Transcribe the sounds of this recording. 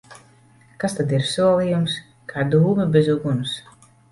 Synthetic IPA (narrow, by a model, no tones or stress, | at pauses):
kast̪ad̪iɾsuɔlˠijums | kʰaːd̪uːmɐbezuɡunus